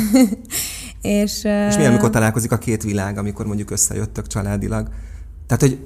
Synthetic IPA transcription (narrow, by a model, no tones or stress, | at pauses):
eːʃeʃmiɛlmiko̞rt̪ɒlaːlko̞zikɒkeːt̪ʋilaːɡɒmiko̞rmo̞ɲɟukøsːɛ̰jøt̪ːøkt͡ʃɒlaːd̪ḭlɒɡ | t̪ɛɦaːt̪hoɟ